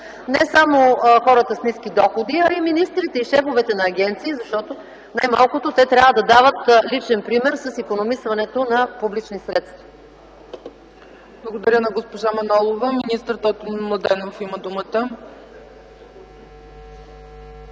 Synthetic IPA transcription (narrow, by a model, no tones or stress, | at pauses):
nɛsamoxɔɾət̪əsnisk̟ʲid̪ɔxod̪iɐiminist̪ɾit̪ɛiʃɛfovɛt̪ɛnɐːɡʲɛnt̪siːzɐʃt̪ɔt̪o | najmalˠkʊt̪ot̪ɛt̪ɾʲavəd̪ɐd̪avət̪lit͡ʃɛnpɾimɛɾsəsikonomisvɐnɛt̪onɐpublit͡ʃnisɾɛt̪st̪vɐ̥ | blˠəɡod̪ɐɾʲənɐɡospoʒamɛnɔlˠovəminist̪əɾt̪ɔt̪mˠɐd̪ɛnofiməd̪umət̪ə